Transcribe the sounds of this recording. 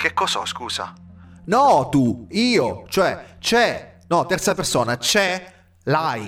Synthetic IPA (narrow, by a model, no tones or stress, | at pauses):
kekːɔsɔ̰skuːza̰nɔt̪uiːot͡ʃoɛt͡ʃɛnɔt̪ːɛrt̪sapersoːnat͡ʃɛ | laj